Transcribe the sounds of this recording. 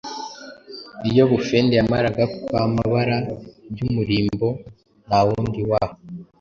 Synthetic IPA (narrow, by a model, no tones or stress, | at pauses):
ijo̞βufeːndejamaɾaɡakwamaβaɾabjumuɾiːmbo̞ | nawuːndiwaːho